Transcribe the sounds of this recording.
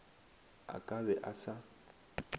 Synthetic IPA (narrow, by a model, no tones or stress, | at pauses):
a̰kʼabɛʔasa